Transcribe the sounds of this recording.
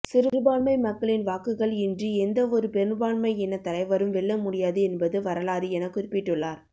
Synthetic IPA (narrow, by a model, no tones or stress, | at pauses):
sɪɾɯɾɯbaːɳmɐɪmɐkːɐɭɪnʋaːkɯɣɐɭɪndriɛnd̪ɐɔɾɯpɛnbaːɳmɐɪɛnːɐt̪ːɐlɐɪʋɐɾɯmʋɛɭːɐmʊɽɪjaːðɯɛnbɐðɯʋɐɾɐlaːɾɯɛnɐkːʊɾɪpːɪʈːɯɭːaːɾ